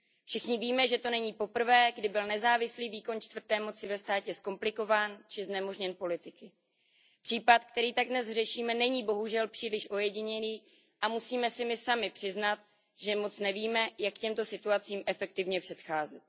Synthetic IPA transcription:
fʃɪxɲɪviːmɛʒɛt̪o̞nɛɲiːpo̞pr̩vɛːɡdɪbɪlnɛzaːvɪsliːviːko̞nt͡ʃt̪vr̩t̪ɛːmo̞t͡sɪvɛst̪aːcɛsko̞mplɪko̞vaːnt͡ʃɪznɛmo̞ʒɲɛnpo̞lɪt̪ɪkɪ | pr̥iːpat̪k̚t̪ɛɾiːt̪aɡ̚dnɛsrɛʃiːmɛnɛɲiːbo̞ɦuʒɛlpr̥iːlɪʃʔo̞jɛɟɪɲɛniː | ʔamusiːmɛsɪmɪsamɪpr̥ɪznat̪ | ʒɛmo̞t͡snɛviːmɛjakːcɛmt̪o̞sɪt̪uat͡siːmʔɛfɛk̚t̪ɪvɲɛpr̥ɛt̪xaːzɛt̪̚

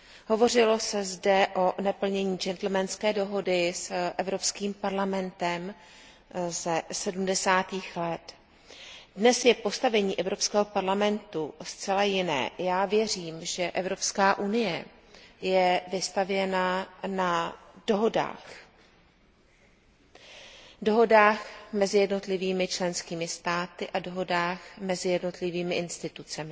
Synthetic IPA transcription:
ɦo̞vo̞r̝ɪlo̞sɛzdɛʔo̞nɛpl̩ɲɛɲiːd͡ʒɛnt̪l̩mɛnskɛːdo̞ɦo̞dɪsʔɛvɾo̞pskiːmpaɾlamɛnt̪ɛm | sɛsɛdumdɛsaːt̪iːxlɛt̪ | dnɛsjɛpo̞st̪avɛɲiːʔɛvɾo̞pskɛːɦopaɾlamɛnt̪ust͡sɛlajɪnɛ̰ːjaːvjɛr̝iːmʒɛʔɛvɾo̞pskaːʔunɪjɛ | jɛvɪst̪avjɛnana | d̥oɦoda̰ːx | do̞ɦo̞daːxmɛzɪjɛdno̞t̪lɪviːmɪt͡ʃlɛnskiːmɪst̪aːt̪ɪʔado̞ɦo̞daːxmɛzɪjɛdno̞t̪lɪviːmɪʔɪnst̪ɪt̪ut͡sɛmɪ

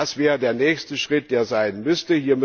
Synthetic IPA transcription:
asv̥ɛːʁədeːɐnɛːçstəʃʁ̥ɪt̚d̥eːɐzaɪnmʏstəhiːɐm

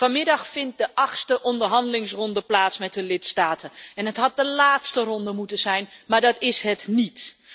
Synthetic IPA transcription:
fɑnmɪdɑxfɪnt̚dəʔɑxstəʔɔndərɦɑndəlɪŋsrɔndəplaːtsmɛt̚dəlɪtstaːtʰəɛnɦətɦɑt̚dəlaːtstərɔndəmutəzɛjnmaːɹdɑtɪsɦətnit

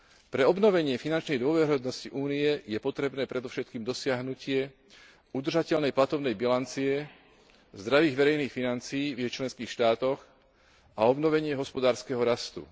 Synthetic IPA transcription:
pɾɛɔbnɔʋɛɲɪɛfinant͡ʃnɛjd̪ʊɔʋɛɾiɦɔd̪nɔsciʔuːnijɛjɛpɔt̪ɾɛbnɛːpɾɛd̪ɔfʃɛt̪̚kiːmd̪ɔsɪaɦnucɪɛ | ud̪r̩ʒacɛʎnɛjplat̪ɔbnɛjbilant͡siɛ | zd̪ɾaʋiːɣʋɛɾɛjniːxfinant͡siiːvjɛt͡ʃlɛnskiːxʃt̪aːt̪ɔx | aɔbnɔʋɛɲɪɛɦɔspɔd̪aːɾskɛɦɔɾast̪ṵ

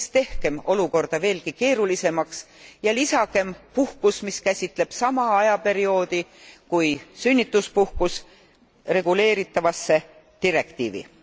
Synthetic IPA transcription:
st̪e̞hke̞mo̞luko̞rd̪̥ɑve̞ːlkike̞ːɾulise̞mɑksjɑlisɑke̞mpuhkusmiskæsʲit̪ˑle̞b̥sɑmɑɑjɑpe̞ɾio̞ːd̪̥ikujsynʲːit̪ːˑuspuhkus | re̞ɡ̥ule̞ːɾit̪ːˑɑvɑsːe̞ | t̪iɾe̞kt̪ḭːvḭ

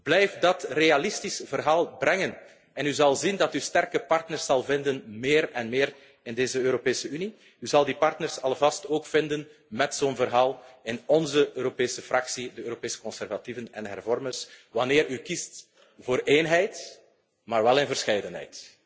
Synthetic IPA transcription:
b̥lɛjftdɑtrealɪstisv̥ərɦaːlˠbɾɛŋən | ɛnyzɑlˠzindɑtystɛrkəpɑrtnərsɑlˠvɪndənmeːɾɛnmeːr | ɪndeːzəøːɾopeːsəyni | yzɑlˠdipɑrtnərsɑlˠvɑstoːkfɪndən | mɛtsoːnvərɦaːlˠɪnɔnzəøːɾopeːsəfrɑksidəøːɾopeːsə̥kɔnsɛrvativənɛnɦɛ̰rvɔrmərsʋɑneːɾykist | voːɾʔeːnɦɛjt | maːrʋɛlɪnvərsxɛjdənɦɛ̰jt

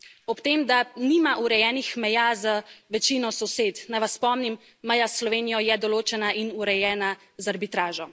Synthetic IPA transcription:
ɔpt̪eːmd̪aniːmaʔuɾɛjɛːnixmɛjaːzaʋɛt͡ʃiːnɔsɔseːt̪najʋasːpɔmnimː | əjasːlɔʋeːnijɔjɛd̪ɔloːt͡ʃɛnaʔinuɾɛjɛːna | zaɾbit̪ɾaːʒɔ

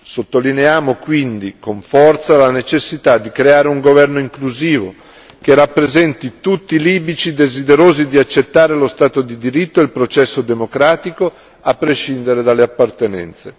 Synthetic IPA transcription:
sot̪ːolineaːmokwind̪ikoɱfɔrt̪salanet͡ʃesːit̪ad̪ːikɾeaːɾeuŋɡovɛrnoiŋkluziːvo | k̟erapːɾezɛnt̪it̪ut̪ːiliːbit͡ʃid̪ezid̪eɾoːzid̪iat͡ʃːet̪ːaːɾelost̪aːt̪od̪id̪iɾit̪ːoeilpɾot͡ʃɛsːod̪emokɾaːt̪iko | apːɾeʃind̪eɾed̪alːeapːart̪enɛ̰nt̪se

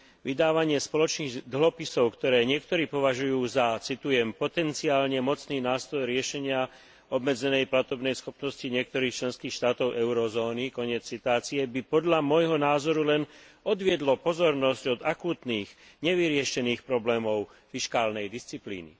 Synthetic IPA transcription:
ʋid̪aːʋaɲɪɛspɔlɔt͡ʃniːɣd̪ɦɔpisɔʊkt̪ɔɾɛːɲɪɛk̚t̪ɔɾiːpɔʋaʒujuːzat͡sit̪ujɛmpɔt̪ɛnt͡siaːlɲɛmɔt͡sniːnaːst̪ɾɔjɾɪɛʃɛɲɪa | ɔbmɛd͡zɛnɛjplat̪ɔbnɛjsxɔpnɔsciɲɪɛk̚t̪ɔɾiːxt͡ʃlɛnskiːxʃt̪aːt̪ɔʊʔɛʊɾɔzɔːnikɔɲɪɛt͡st͡sit̪ʊaːt͡siɛbipɔd̪ʎamɔjɦɔnaːzɔɾulɛnɔd̪ʋɪɛd̪lɔpɔzɔɾnɔscɔd̪akuːt̪niːɣ | ɲɛʋiɾɪɛʃɛniːxpɾɔblɛːmɔʊ | fiʃkaːlnɛjd̪ist͡siplḭːnḭ

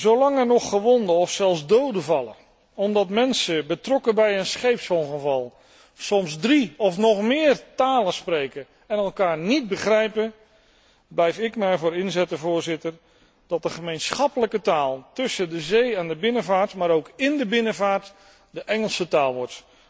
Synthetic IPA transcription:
zolɑŋɛɹnɔχːəʋɔndəɔfsɛlˠzdowdəvɑlˠə̰ | ɔmdɑtmɛnsəbətrɔkəbɛjənsχejpsɔlˠχəvɑlˠ | sɔmzdriɔfnɔχmɪːrtaːləsprejkə | ɛnɛlˠkaːɹnid̚bəχrɛjpə | blɛjfɪkməjɛɹvʊːɾɪnzɛtəvʊːɹzɪtər | d̥ɑt̚dəχəmejnsχɑpələkətaːlˠtɵsədəzejandəbɪnəvaːɹtmaːɾowkɪndəbɪnəvaːɹt | dəʔɛŋəlˠsətaːlˠʋɔɹt

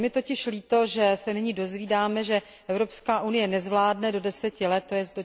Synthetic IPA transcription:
mɪt̪o̞cɪʃliːt̪o̞ʒɛsɛnɪɲidozviːdaːmɛʒɛ | ʔɛvɾo̞pskaːʔunɪjɛnɛzvlaːdnɛdo̞dɛsɛcɪlɛt̪ːojɛsdo

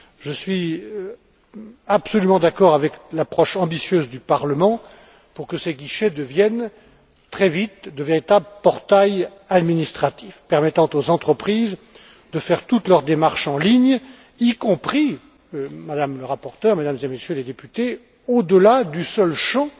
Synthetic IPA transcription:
ʒəsɥi | absɔlymɑ̃d̪akɔʁavɛklapχɔʃɑ̃bisjøzd̪ypaʁləmɑ̃ | puʁkəseɡiʃed̪əvjɛn | t̪χɛvit̪̚d̪əveʁit̪abləpɔʁt̪aj | ad̪minist̪χat̪ifpɛʁmɛt̪ɑ̃t̪ozɑ̃t̪χəpχiz | d̪əfɛʁt̪ut̪lœʁd̪emaʁʃɑ̃liɲ | ikɔ̃pχi | mad̪amləʁapɔʁt̪œʁmed̪amzemesjøled̪epyt̪e | od̪əlad̪ysœlʃɑ̃

